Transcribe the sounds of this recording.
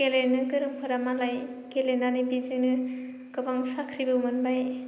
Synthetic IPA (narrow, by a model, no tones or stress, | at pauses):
kelenɯkɯɾɯmpʰɯɾamalaj | kelenanɯbizɯnɯ | kɯbaŋsakʰɾibɯmɯnbaj